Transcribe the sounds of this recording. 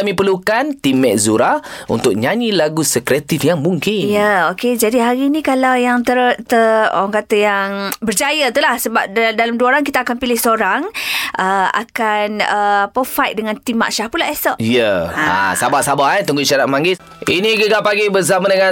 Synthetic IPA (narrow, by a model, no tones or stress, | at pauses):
amĩpərlukant̪imɛʔ̚zuɾaṵnt̪ʊk̚ɲaɲilaɡusəkɾɛt̪ifjaŋmuŋkɪnjəoked͡ʒadiɦaɾiːnikalawjaŋt̪ət̪əo̰ɾaŋkat̪əjaŋbərd͡ʒajət̪ulahsəbap̚ddalamduəoɾaŋkit̪aːkanpilɪhsəoɾaŋʔəa̰kanəpəfajt̪̚dəŋãnt̪ima̰ʔʃahpulaʔɛsɔʔjəaa̰sabasabahant̪uŋɡuʃaɾaʔ̪̚maŋɡɪs | iniɡəɡapaɡibəs̬amãdəŋa